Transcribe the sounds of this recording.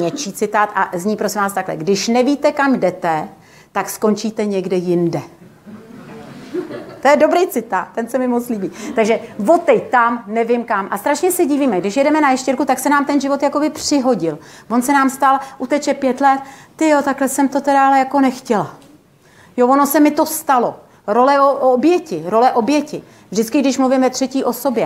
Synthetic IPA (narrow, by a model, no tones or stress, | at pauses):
ɲɛt͡ʃiːt͡sɪt̪aːt̪ʔa̰zɲiːpɾosɪmvaːst̪aklɛ̰ɡdɪʃnɛviːt̪ɛkamdɛt̪ɛ | t̪aksko̞nt͡ʃiːt̪ɛɲɛɡdɛjɪndɛ | t̪ojɛdo̞bɾejt͡sɪt̪aːt̪ːɛnsɛmɪmot͡st̪liːbiːt̪aɡʒɛvo̞t̪ɛjt̪amnɛvɪmkamʔast̪ɾaʃɲɛsɛɟiːviːmɛɡdɪʃjɛdɛmɛnajɛʃcɛɾkut̪aksɛnaːmt̪ɛnʒɪvo̞t̪jako̞bɪpr̝̥ɪɦo̞ɟɪlvo̞nsɛnaːmst̪alʔut̪ɛt͡ʃɛpjɛt̪lɛt̪t̪ɪjot̪aklɛsɛmt̪o̞t̪ɛdɾaalɛjako̞nɛxcɛla | jovo̞no̞sɛmɪt̪o̞st̪alo̞ | ɾo̞lɛoobjɛcɪɾo̞lɛʔo̞bjɛcɪ | vʒdɪt͡skɪɡdɪʃmluvimvɛt̪r̝̥ɛciːʔo̞so̞bjɛ